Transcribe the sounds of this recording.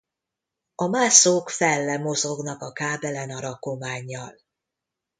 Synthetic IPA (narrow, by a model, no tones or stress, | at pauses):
ɒmaːsoːkfɛlːɛmozoɡnɒkɒkaːbɛlɛnɒɾɒko̞maːɲːɒl